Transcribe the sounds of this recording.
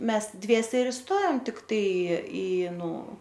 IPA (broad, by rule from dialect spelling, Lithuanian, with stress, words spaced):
ˈmʲɛs ˈdʲʋʲiɛsʲɛ ɪr ɪˈstoːjoːm tʲɪkˈtɐɪ ɪ ˈnʊ